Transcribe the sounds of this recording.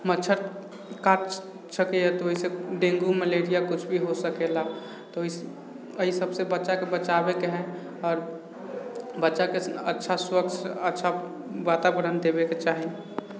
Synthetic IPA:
mətːt͡ʃʰəɾ | kaʈ | səkejat̪oɦiseɖẽːŋɡuməleːɾijakʊt͡ʃʰbʱiɦosəkela | t̪oi | əɦisəbsebətːʃakebət͡ʃaːbekeɦɛ̃ | ɔːɾ | bətːʃakeətːʃʰaswəkt͡ʃʰətːʃʰa | ʋaːt̪abəɾənd̪eːbeket͡ʃaːɦi

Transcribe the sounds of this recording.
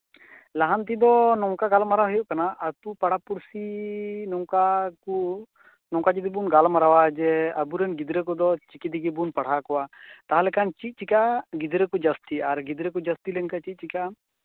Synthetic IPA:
laɦant̪id̪ɔnɔwkaɡalmaɾawɦɔjɔʔkanaʔat̪upaɽ̤apuɾsinɔŋkaku | nɔ̃ŋkad͡ʒid̪ibunɡalmaɾawad͡ʒɛəbuɾɛnɡid̪ɾɛkɔd̪ɔt͡ʃikid̪iɡɛbunpaɽ̤akɔwat̪aɦalɛkant͡ʃit̪̚ˀt͡ʃikaʔɡid̪ɾɛkɔd͡ʒast̪iaɾɡid̪ɾɛkud͡ʒəst̪ilɛŋkat͡ʃit̪̚t͡ʃikaʔ

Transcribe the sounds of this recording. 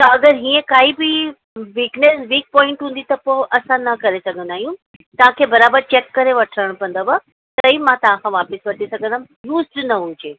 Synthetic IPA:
t̪ɐɐɡəɾɦiːẽkaːɦibɪ | ʋiːknesʋiːk̚pɔːɪ̃ɳʈɦũːn̆d̪it̪ɐpoʔɐsãnɐkɐɾesɐɡʱə̃nd̪aːɦijũ | t̪ɐʋ̤ãkʰeːbɐɾaːbəɾt͡ɕeːkːɐɾeʋɐʈʰɾəɽ̃pɐ̃n̆d̪aba | t̪ɐĩmãt̪ɐʋ̤ãkʰãʋaːpəsʋɐʈʰisɐɡʱə̃nd̪am | juːsʈnɐɦʊd͡ʑeː

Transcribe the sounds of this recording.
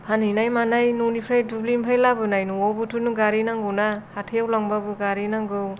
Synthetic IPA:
pʰaninajmanajnunipʰɾajdublimpʰajlabɯnajnuɔwbutʰunuɡaɾinaŋɡɯwnahatʰejawlaŋbabɯɡaɾinaŋɡɯw

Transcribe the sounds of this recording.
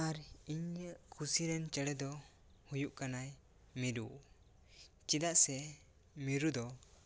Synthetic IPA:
aɾiɲəʔkʰusiɾɛnt͡ʃɛɽɛd̪ɔ | hujuʔkanaj | miɾṵ | t͡ʃid̪aʔsɛ | miɾud̪ɔ

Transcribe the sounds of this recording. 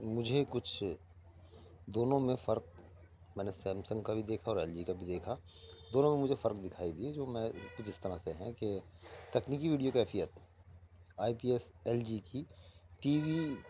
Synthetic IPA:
mʊd͡ʒʱekʊt͡ʃʰ | d̪oːnõmẽfɐɾk̚ | mɛ̃ːnesɛ̃ːmsə̃ŋɡkabʱid̪eːkʰaɔːɾɛːld͡ʒikabʱid̪eːkʰa | d̪oːnõmẽmʊd͡ʒʱefɐɾk̚d̪ɪkʰaːid̪ied͡ʒoːmɛ̃kʊt͡ʃʰɪst̪əɾaseɦɛ̃ket̪ɐkniːkiʋiːɖijokɛːfijət̪ | aːipiːɛsɛːld͡ʒikiʈiːʋi

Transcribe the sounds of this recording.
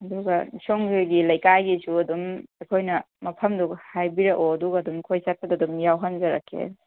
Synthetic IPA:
ɐduɡɐsoŋhujɡilɐjkajɡisuɐdumekʰojnɐ | mɐpʰɐmdukhajbiɾɐʔoɐduɡɐːdumkʰojsat̚pɐdadumjawɦanzɐɾakʰːḛ

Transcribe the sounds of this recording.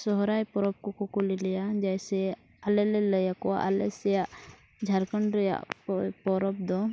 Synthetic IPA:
sɔɦɔɾajpɔɾɔp̚kɔkɔkulilɛjad͡ʒajsɛ | alɛlɛləjakɔa̰ʔalɛsɛja | d͡ʒʱaɾkəɳɾəja̰ʔpɔɾɔp̚d̪ɔ

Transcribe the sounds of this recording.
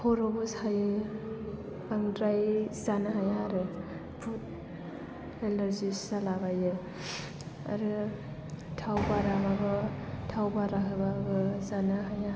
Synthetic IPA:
pʰɔɾɔbɯshajɯ | aŋdɾajzanaɦajaɦaɾɯ | pʰut̚ | elaɾzisalabajɯ | a̰ɾɯ | tʰawbaɾamaɡɔtʰawbaɾaɦɯbaɡɯzanaɦaja

